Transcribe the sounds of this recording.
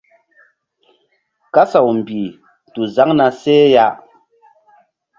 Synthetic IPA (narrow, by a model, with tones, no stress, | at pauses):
ka˦sa˨wm̩˨bi˨ | tu˨za˨˦ŋna˨sɛː˦ja˦ʔ